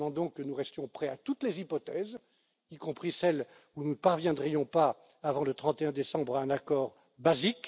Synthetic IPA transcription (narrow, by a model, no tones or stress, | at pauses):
ɑ̃d̪ɔ̃kənuʁɛst̪jɔ̃pχɛat̪ut̪lezipɔt̪ɛz | ikɔ̃pχisɛl | ununəpaʁvjɛ̃d̪ʁijɔ̃pa | avɑ̃lət̪χɑ̃t̪eɛ̃d̪esɑ̃bʁaɛ̃nakɔːʁ | bazik